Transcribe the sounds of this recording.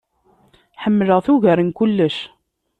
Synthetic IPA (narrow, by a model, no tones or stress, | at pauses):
ħəmːləʁθuʝəɾənkʊlːəʃ